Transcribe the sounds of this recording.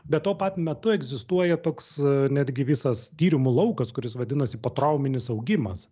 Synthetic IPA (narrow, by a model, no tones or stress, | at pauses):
bʲɛt̪t̪ːoːpɑt̪ʲmʲɛt̪ʊɛɡzʲɪst̪uɔjɛt̪oːksnʲæːd̪ʲɡʲɪʋʲɪsɐst̪ʲiːɾʲɪmulˠɐʊkɐskʊɾʲɪsʋɐd̪ʲɪnɐsʲɪpɐt̪ɾɐʊmʲɪnʲɪsɐʊɡʲɪmɐs